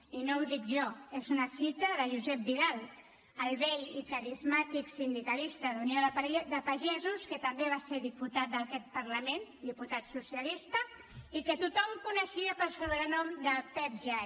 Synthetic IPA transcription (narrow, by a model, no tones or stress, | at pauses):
inowðik̚ʒɔezunəsit̪əðəʒuzɛp̚biðalˠ | əlˠβɛʎikəɾizmat̪iksind̪ikəlist̪əðunioðəðəpaʒɛzuskət̪əmbeβ̞aseɾðiput̪at̪̚d̪əkɛt̪̚pəɾləmend̪iput̪at̪susjəlist̪ə | ikət̪ut̪ɔmkunəʃiəpəlˠsuβɾənɔmd̪əpɛp̚ʒa